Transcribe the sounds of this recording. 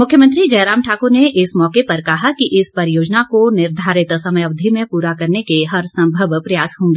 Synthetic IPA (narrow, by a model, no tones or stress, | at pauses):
mʊkʰjəmə̃nt̪ɾid͡ʒɐjɾaːmʈʰaːkoɾneʔɪsmɔːkepɐɾkɐɦakiʔɪspɐɾjoːd͡ʒnakonɪɾd̪ʱaːɾɪt̪sɐməjəbd̪ʱimẽpuːɾakɐɾnekeɦɐɾsɐ̃mbʱəʋpɾɐjaːsɦõːŋɡeː